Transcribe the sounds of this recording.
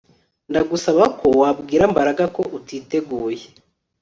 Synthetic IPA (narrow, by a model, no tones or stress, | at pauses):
ndaɡusaβako̞wab̚ɡiːɾambaɾaɡako̞ʔutiːte̞ɡuːje